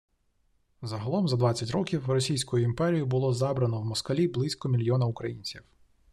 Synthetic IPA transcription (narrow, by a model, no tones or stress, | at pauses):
zɐɦɐlˠɔmzɐd̪ʋɑt͡sʲːɐtʲɾɔkʲiwrɔsʲijsʲkʊjʊimpɛɾʲijʊbʊlˠɔzɑbɾɐnɔwmɔskɐlʲiblˠɪsʲkɔmʲilʲjɔnɐʊkɾɐjinʲt͡sʲiw